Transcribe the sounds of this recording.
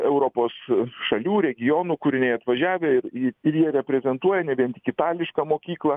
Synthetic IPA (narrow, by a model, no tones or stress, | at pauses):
ɛʊɾoːpoːsʃɐlʲuːɾʲɛɡʲɪjoːnuːkʊɾʲɪnʲɛɪɐt̪ʋɐʒʲæːʋʲeɪɾɪɪɾjiɛɾʲɛpʲɾʲɛzʲɛnt̪uɔjɛnʲɛbʲiɛnt̪ɪkʲɪt̪ɑːlʲɪʃkɐːmoːkʲiːklˠɐ